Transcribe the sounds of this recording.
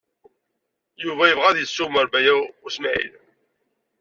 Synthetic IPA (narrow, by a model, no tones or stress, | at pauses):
juvæjəvʁæðjəsːuməɾbæjæʊsmaʕḭl